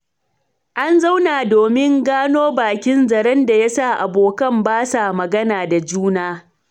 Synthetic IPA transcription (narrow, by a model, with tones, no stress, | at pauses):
ʔa˦nza˦wnaː˨doː˨mɪ˦ŋɡaː˦noː˦baː˨kʲɪ˦nzɐ˨ɾɛ˦nda˨ja˦sa˦˨ʔa˨boː˨kɐ˦˨mbaː˦sa˨mɐ˨ɡɐ˦naː˨da˨d͡ʒuː˦naː˦